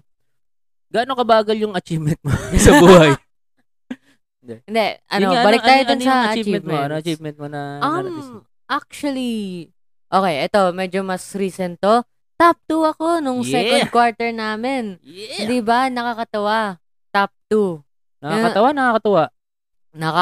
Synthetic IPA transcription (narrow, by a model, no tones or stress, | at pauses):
ɡaːnokɐbaːɡɐljʊŋɐt͡ʃiːvmɛnt̪̚mosɐbuːhaj | ɪnd̪ɛɪnd̪ɛʔɐ̰nobɐlɪkkt̪aːjoʊnsɐɐɐt͡ʃit͡ʃiɛt̪moɐnoɐt͡ʃivmɛn̚monɐam | ʔak̚t͡ʃwɐli | ʔo̞ːkɛjʔɛt̪o̞mɛd͡ʒomɐsɾiːsɛnt̪o̞ | t̪ap̚t̪uɐko̞nʊŋsɛːkod̪̚kwaɹt̪ɛɹnaːmɛnɛd̪ɪbanɐkɐkɐt̪ɐwa | t̪ap̚t̪u | nɐkakɐt̪ɐwanɐkakɐt̪ɐwaʔ | nɐk